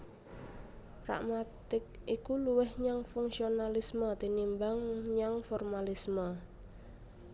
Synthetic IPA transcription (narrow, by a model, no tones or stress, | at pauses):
ra̰ʔmat̪ɪk̚ikuluwɪhɲaŋfuŋsionalismət̪inimbaŋɲaŋfɔrmalismə